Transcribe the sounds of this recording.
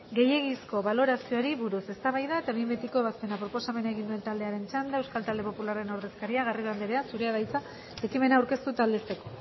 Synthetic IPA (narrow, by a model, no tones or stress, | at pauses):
ɡe̞je̞ɣisko̞βalo̞ɾasio̞aɾiβuɾuse̞st̪aβajðae̞t̪aβimbe̞t̪iko̞eβaspe̞napɾo̞po̞same̞naeɣind̪ue̞nt̪ald̪e̞aɾe̞nt͡ʃand̪aewskalt̪ald̪e̞po̞pulare̞noɾðe̞skaɾiaɣ̞arioand̪eɾeasuɾe̞að̞ajt͡sa | ekime̞naːwɾke̞st̪ut̪ald̪e̞st̪e̞ko̞